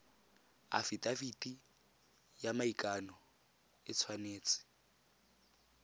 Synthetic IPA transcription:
a̰fitʼafitʼi | jamaikʼanɔ | ɪt͡sʰwaneːt͡sʼɪ̥

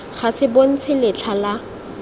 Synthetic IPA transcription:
χasɪbon̩t͡sʰɪlɪt͡ɬʰala

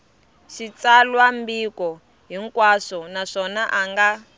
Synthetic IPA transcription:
ʃit͡salwambikɔ | ɦiŋkwaʂɔnaʂɔnaʔaŋɡa

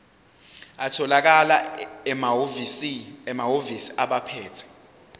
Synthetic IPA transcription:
atʰɔlak̬ala | isiɛmaɦovisi̥aɓapʰɛːtʰɛ̥

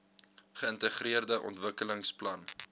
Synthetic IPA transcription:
χəəntəχriərdəʔɔ̰ntvəkələŋsplɐn

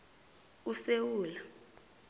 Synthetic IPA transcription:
usewuːla

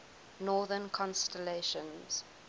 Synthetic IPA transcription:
nɔːðənkʰɔ̃nstɛleʃə̃nz̥

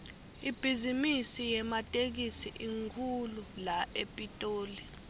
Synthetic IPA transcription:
ib̥ʱizimisijɛmatʼek̬isiʔiŋkʰululaʔepʼitʼoːli

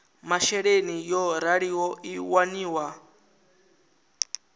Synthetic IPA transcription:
maʃɛɺenijɔɾaɺiwɔiwaniːwa

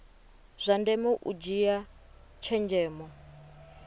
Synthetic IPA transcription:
z̥ʷandɛmɛʔṵd͡ʒiat͡ʃʰɛnd͡ʒɛːmɔ

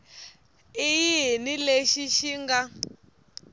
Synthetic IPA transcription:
ijiɦnileʃiʃiŋɡa

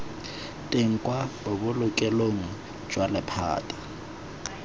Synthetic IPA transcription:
tʼeŋ̩kʼwabʊbʊlʊkʼɛloŋ̩ | d͡ʒwalɪpʰa̰ːtʼḁ

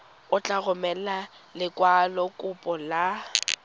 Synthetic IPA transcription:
ʊt͡ɬʼaɣʊmɛla | lɪkʼwalɔkʼʊpʼɔla

